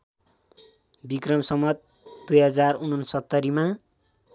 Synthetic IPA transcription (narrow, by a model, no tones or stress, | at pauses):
bikrʌmsʌmʌt̪̚ | d̪ujɦʌd͡zarunʌnsʌt̪ːʌɾima